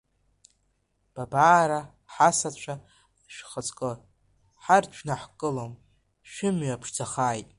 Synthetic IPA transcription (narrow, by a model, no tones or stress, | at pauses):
b̥abaːɾa | ħasat͡ɕʷʰa | ʃᶣχət͡sʼkʼɨ | ħart͡ʃʷʰnaħkʼɨlom | ʃᶣɪmɥapʰʂd͡zʰaχaːjtʼ